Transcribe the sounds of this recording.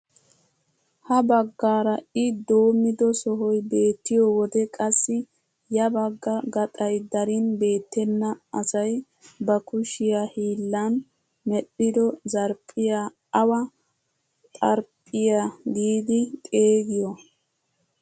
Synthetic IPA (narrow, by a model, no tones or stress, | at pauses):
hɐbɐɡːaːɾɐɪd̪o̞ːmːɪd̪ɔsɔɦɔjbe̞ːt̪ːɪjɔwɔd̪ɛkʼɐsːɪ | jɐbɐɡːɐɡɐt̪ʼɐjd̪ɐɾɪnbe̞ːt̪ːɛnːɐɐsɐj | bɐkʊʃɪjahiːlːɐn | mɛɗːɪd̪ɔzɐɾpʼːɪja | ɐwɐ | t̪ʼɐɾpʼːɪjaɡiːd̪ɪt̪ʼe̞ːɡɪjɔ